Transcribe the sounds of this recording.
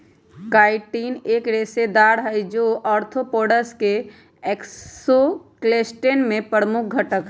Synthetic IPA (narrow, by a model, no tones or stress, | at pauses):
kaːɪʈiːneːkɾesed̪aːɽɦəjd͡ʒoːʔɔːɾt̪ʰopoːɖəske | eksokleːsʈeːnmẽpəɾəmʊk̚ʰɡʱəʈək